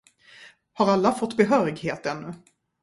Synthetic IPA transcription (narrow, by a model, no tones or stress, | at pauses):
haɾalːafɔt̪ːbɛɦœːɾɪɡheːt̪ɛnːɵ